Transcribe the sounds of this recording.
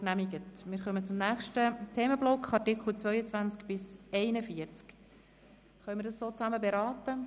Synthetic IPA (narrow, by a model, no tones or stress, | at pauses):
næmiɡətmɪːɾχœmət͡sʊmnæːχʃtətʰeːməblɔkχɑrtɪkχl̩t͡sʋœʏət͡svʋænt͡skb̥ɪsɛɪnəfiəɾt͡sk | χœmɪɾdɑssoːt͡sæməbɛɾɑːtə